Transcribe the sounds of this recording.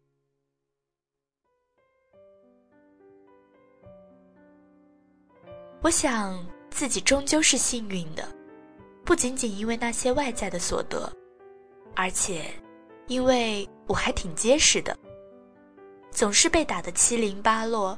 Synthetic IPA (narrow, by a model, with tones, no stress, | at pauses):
wɔ˧˥ɕjɑ˨˩ŋt͡sɹ̩˥˩t͡ɕi˨˩ʈ͡ʂʊ˥ŋt͡ɕjo˥˧ʊʂɻ̩˥˧ɕi˥˧ny˥˩nd̪ə̰˩pu˥˩t͡ɕi˧˥nt͡ɕi˨˩ni˥nwe˥˧ɪna˥˩ɕjɛ˥wa˥˧ɪt͡sa˥˩ɪd̪ə˩swɔ̰˨˩t̪ɤ̰˧˥ | ə˞˧˥t͡ɕʰjɛ˨˩˦ | i˥nwe˥˩ɪwɔ˨˩xa˧˥ɪt̪ʰi˨˩ŋt͡ɕjɛ˥ʂɻ̩˥˩d̪ə̰˩ | t͡sʊ˨˩ŋʂɻ̩˥˧pe˥˩ɪt̪a˨˩d̪ə˦t͡ɕʰi˥li˧˥ŋpa˥lwɔ˥˩